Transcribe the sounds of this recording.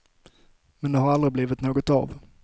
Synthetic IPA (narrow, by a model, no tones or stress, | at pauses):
mɛnd̪ɛɦaɾald̪ɾɪbliːvɪt̪noːɡɔt̪a̰v